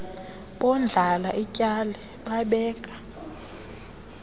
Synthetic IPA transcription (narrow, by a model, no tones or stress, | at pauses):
ɓɔnd͡ɮʱalaʔicʼalɛ | ɓaɓɛːkʼḁ